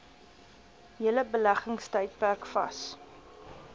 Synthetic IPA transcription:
ɦələbəlæχəŋstəjt̚pærkfɐ̰s

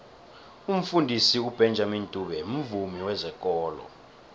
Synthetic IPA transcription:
um̩fundʱisiub̥ʱɛnd͡ʒʱamintʼuɓɛm̩vumiwɛzɛkʼɔːlɔ̰

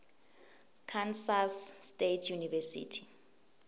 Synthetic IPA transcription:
kʰansasːtetʰjunivɛsḭːtʰi̥

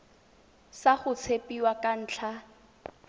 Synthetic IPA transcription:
saχʊt͡sʰepiwakʼan̩ːt͡ɬʰa

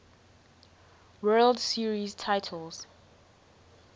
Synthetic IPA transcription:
wɜldsiɹiztʰaɪtʰəlz̥

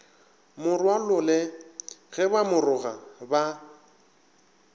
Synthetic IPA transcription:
mʊrwalʊlɛɣɛbamʊrʊɣaba

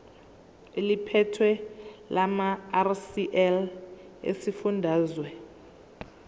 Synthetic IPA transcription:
elipʰɛtʰwɛlʔamarsiʔɛl | ḛsifundʱaːzwɛ

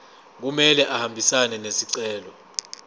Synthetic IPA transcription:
k̬umɛlɛʔahambʱisanɛnesiǀɛːlɔ

